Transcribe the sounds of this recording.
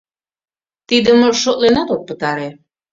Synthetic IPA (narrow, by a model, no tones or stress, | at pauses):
t̪id̪əmʃot̪lenɑt̪ok̚pət̪ɑɾe